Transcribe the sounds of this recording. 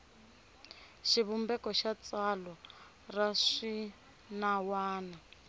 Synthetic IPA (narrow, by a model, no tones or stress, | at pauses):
ʃiβumbɛkɔʃat͡salwa | raʂi | nawaːna